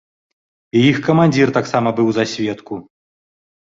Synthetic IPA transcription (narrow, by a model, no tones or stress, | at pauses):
ijixkɐmanʲd͡zʲirt̪aksamɐbɨwzasʲvʲɛt̪ku